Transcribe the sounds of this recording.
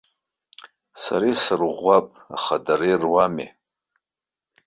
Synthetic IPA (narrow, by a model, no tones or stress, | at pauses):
sa̰ɾisɨrʁʷapʼa̰χadaɾerwamḛ